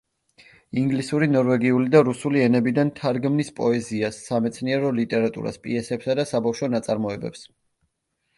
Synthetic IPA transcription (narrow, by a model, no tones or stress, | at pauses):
iŋɡlisuɾinɔɾvɛɡiulid̪aɾusuliɛnɛbid̪ant̪ʰaɾɡmnispʼɔɛziasːamɛt̪sʰniɛɾɔlit̪ʼɛɾat̪ʼṵɾa̰spʼiɛsɛpsad̪asabafʃɔnat̪sʼaɾmɔɛbɛ̰ps